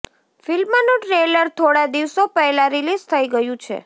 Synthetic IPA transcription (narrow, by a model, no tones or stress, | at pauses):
filmanũʈɾeləɾt̪ʰoɽad̪iʋsopəɦlãɾilizt̪ʰəiɡəjũt͡ʃʰḛ